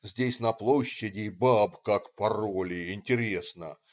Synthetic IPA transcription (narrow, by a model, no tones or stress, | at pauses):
zʲdʲesʲnɐplˠoɕːɪdʲɪbabkakpɐrolʲɪɪnʲtʲɪɾʲe̞snə̰